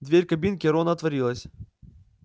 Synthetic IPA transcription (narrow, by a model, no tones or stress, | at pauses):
d̪vʲeɾʲkɐbʲinkʲɪɾonəɐt̪vɐɾʲilˠəsʲ